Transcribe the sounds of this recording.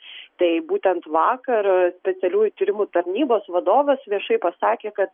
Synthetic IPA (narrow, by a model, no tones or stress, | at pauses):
t̪ɐɪbuːt̪ʲɛnt̪ʋɑːkɐɾsʲpʲɛt̪sʲɛlʲuːjʊt̪ʲiɾʲɪmut̪ɐɾʲnʲiːboːsʋɐd̪oːʋʲeːsʋʲiɛʃɐɪpɐsɑːkʲeːkɐt̪